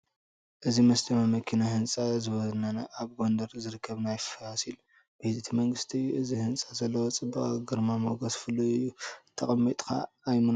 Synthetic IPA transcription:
ʔɨzimɐsd̪ʰɐmamɐkʰinahɨnt͡sʼazɨβɐzɨnanaʔaβɡo̞nd̪ɐɾzɨɾɨkʰːɐβnajfaasil | bɨhizɨt̪ʰimɐŋɡɨst̪ʰiɨzihɨnt͡sʼazɐlːɐwot͡sʼɨbaχʼaɡɨɾmamoɡɐsfɨlːuɨjːut̪ʰɐχʼɐmːit̪ʼkʰa̰ː | jmɨn

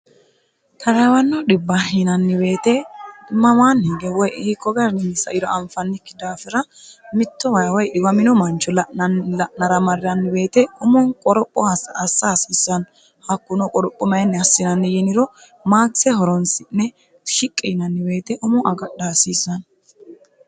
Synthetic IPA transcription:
t̪ʰɐɾɐwɐnːɔɗɪbːɐhinɐnːɪbe̞ːt̪ɛmɐmaːnhɪɡɛwɔjʔɪhɪkːɔɡɐɾnɪnɪsɐʔɪɾɔɐmfɐnːɪkːɪd̪aːfɪɾɐ | mɪt̪ːɔwɐjwɔjʔɪwɐmɪnɔmɐnt͡ʃːɔlɐʔɐnlɐʔnɐɾɐmɐɾɪɐnːɪbe̞ːt̪ɛʊmɔnkʼɔɾɔpʼːɔhɐsːsːɐhɐsɪsːɐn | hɐkːʊnɔkʼɔɾɔpʼːɔmɐjnːɛɐsːɪnɐnːɪjɛnɪɾɔ | maːɡɪsɛhɔɾɔnsɪnːɛ | ʃɪkʼːiːnɐnːɪbe̞ːt̪ɛʔʊmɔʔɐɡɐɗaːsiːsːɐn

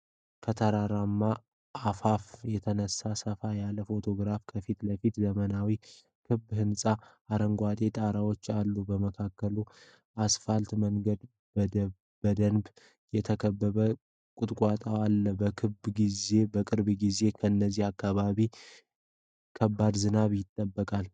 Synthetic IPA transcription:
kʰət̪ʰəɾaɾamːa | afafjɛt̪ʰənəsːasəfajaləfo̞t̪ʰo̞ɡɾafkʰəfit̪ləfit̪zəmənawi | kʰɨbhɨnsʼa | aɾəŋɡʷat̪ʼe̞t̪ʼaɾawo̞t͡ʃːalːubəməkʰakːəlu | ʔasfalt̪məŋɡəd̪ | b | bəd̪ənb | jɛt̪ʰəkʰəbːəβə | kʼʊt̪ʼkʼat̪ʼawalːəbəkʰɨbɡize̞bəkʼɨɾbɡize̞kʰəɨnːəzːihakːaβaβi | kʰəbːad̪zɨnaβjɪt̪ʼːəbːəkʼal

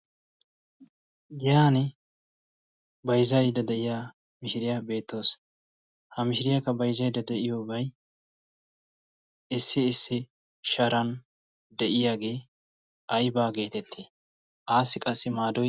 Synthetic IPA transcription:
jjaːnɪ | bɐjzɐjd̪ɐd̪ɛʔɪjaː | mɪʃɪɾɪjabe̞ːt̪ːo̞ːs | hɐmɪʃɪɾɪjakːɐbɐjzɐjd̪ɐd̪ɛʔɪjoːbɐj | ɪsːɪːsːɪ | ʃɐɾɐn | d̪ɛʔɪjaːɡe̞ː | ʔɐjbaːɡe̞ːt̪ɛt̪ʰːeː | ʔaːsːɪkʼɐsːɪmaːd̪ɔ

